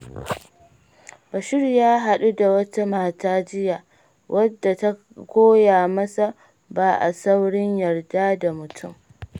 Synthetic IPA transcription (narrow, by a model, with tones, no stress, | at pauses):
bɐ˨ʃɪ˦rjaː˦ɦa˨ɗu˦da˨wɐ˦ta˦maː˨taː˦d͡ʒɪ˦jaː˨ | wʔɐ˦dːa˨ta˦ | kʷoː˦jaː˨mɐ˦sa˨ | baː˨ʔa̰˨sa˦wɽɪ˦ɲjɐ˨rdaː˦da˨mʊ˨tʰʊ˦˨m